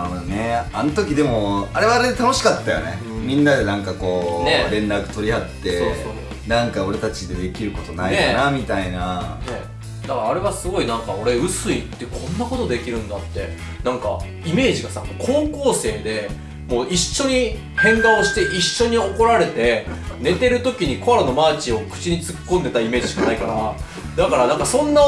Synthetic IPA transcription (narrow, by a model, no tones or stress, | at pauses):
aneanot̪o̞kʲid̪e̞mo̞aɾe̞βaːɾed̪e̞t̪ano̞ɕi̥kat̪ːajo̰nḛ | mʲĩnːad̪e̞nãŋkako̞ːneɾẽ̞nɾakɯ̟̥t̪o̞ɾʲihat̪ːe̞osoː | nãŋkao̞ɾe̞t̪at͡ɕid̪e̞d̪e̞kʲiɾɯ̟ko̞t̪o̞naieanamʲit̪ainane | d̪akɾaːɾe̞βasɨɡo̞inãŋkao̞ɾe̞ɯ̟sɨit̪ːe̞kʰõ̞nːako̞t̪od̪e̞kʲiɾɯ̟̃nd̪at̪ːe̞̰ | nãŋka̰ | ime̞ːʑiɡasa̰moːkʰo̞ːko̞ːse̞ːd̪e̞ | mo̞ːiɕːo̞ɲ̟i | hẽ̞ŋɡao̞ɕi̥t̪e̞ʔiɕːo̞ɲ̟io̞ko̞ɾaɾe̞t̪e̞ne̞t̪e̞ɾɯ̟t̪o̞kʲiɲ̟iko̞aɾano̞maːt͡ɕio̞kɯ̟̥t͡ɕiɲ̟it͡sɨ̥kːond̪e̞t̪aime̞ːd͡ʑiɕi̥kanaikaɾa | d̪akaɾanãŋkasõ̞nːa